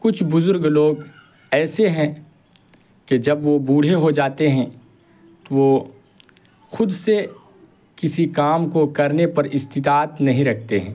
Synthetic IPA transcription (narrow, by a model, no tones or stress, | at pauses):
kʊt͡ʃʰbʊzʊɾɡloːɡ | ɛːseɦɛ̃ | ked͡ʒɐbʋobuːɽ̤eɦod͡ʒaːt̪eɦɛ̃ | t̪oʋo | xʊd̪se | kɪsikaːmkokɐɾnepɐɾɪst̪ɪt̪aːt̪nɐɦĩɾɐk̚ʰt̪eɦɛ̰̃ː